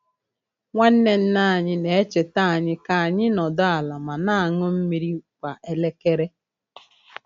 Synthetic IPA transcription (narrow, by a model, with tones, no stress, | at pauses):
ŋʷa˦n̩˦ne˦n̩˦na˦˨ɲɪ˦ne˨e˦t͡ʃe˨ta˦˨a˨ɲɪ˦ka˨a˨ɲɪ˦nɔ˨dɔ˦a˨la˨ma˨na˦a˨ŋʊ˦m̩˦mi˨ɾi˦˨kʷa˨ʔe˨le˦ke˦ɾe˦